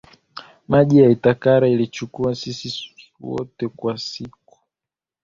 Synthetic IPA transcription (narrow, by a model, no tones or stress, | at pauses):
maʄijaitakaɾailit͡ʃukuasisi | wɔ̰tɛkwasiku̥